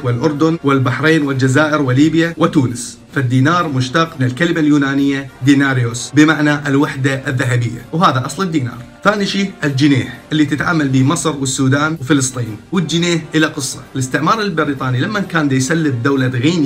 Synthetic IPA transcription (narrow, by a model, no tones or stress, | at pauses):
wɪlʔʊɾˤd̪ʊnwɪlbaħɾeːnwɪld͡ʒazaːʔɪɾwɪliːbjawɪt̪uːnɪs | fad̪ːiːnɑːɾˤmʊʃt̪ɑqmɪnɪlkalmaljuːnaːnɪjːad̪iːnaːɾjosbɪmaʕnaʔɪlwaħd̪aʔɪðːaɦabɪjːa̰wɦaːðaʔɑsˤlɪd̪ːiːnɑ̰ːɾˤθaːniʃiːʔɪld͡ʒɪneːħʔɪlːit̪ɪt̪ʕa̰ːmalbiːmɨsˤɾwɪsːuːd̪aːnwfɪlɨsˤt̪ˤiːnwɪdd͡ʒɪneːħʔɪlaqɨsˤːɑ̰ɪlɪst̪ɪʕmɑːɾˤɪlbɪɾiːt̪ˤɑːnilamːankaːnd̪ajsalːɪb̪̚d̪ːawlad̪ɣiːn